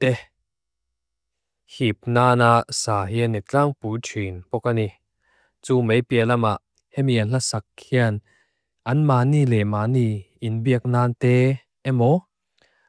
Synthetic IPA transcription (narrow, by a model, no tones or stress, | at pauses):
t̪ɛ | hip̚naːnaʔsaːhiənɛk̚t͡ɬaŋpuːtʰinpɔkani | t͡suːmejpiəlɐmaʔ | hɛmiɐnɬasak̚hiən | ʔɐnmaːnilɛmaːniː | inbiək̚naːnt̪ɛː | ɛmɔ